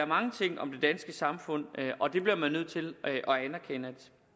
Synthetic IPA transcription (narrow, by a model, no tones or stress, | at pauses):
ɐmɑ̈ŋət͡sʰe̝ŋ̰ɒ̽md̥e̝d̥ænsɡ̥əsɑ̈mfɔ̽n̰ɒ̽d̥e̝b̥liɐmænːøð̞̰ˠt͡sʰe̝løʔɒ̽ænæɐkʰenæd̥